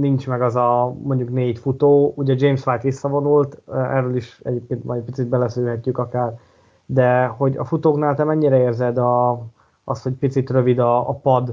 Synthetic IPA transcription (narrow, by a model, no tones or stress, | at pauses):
nint͡ʃmɛɡɒzɒmo̞ɲɟukneːjt̪fut̪oːuːɟɛd͡ʒeːjmsʋajt̪isːɒvo̞nult̪ɛrːøliʃɛ̰ɟeːp̚keːnt̪m̰jɛpit̪sit̪̚bɛlɛsylɦɛcːykɒkaːr | d̪ɛho̞ɟɒ̰fut̪oːknaːlt̪ɛmɛɲːiɾɛeːrzɛd̪ɒ | ɒst̪ho̞c̚pit̪sit̪rø̞vid̪ɒːpɒd̪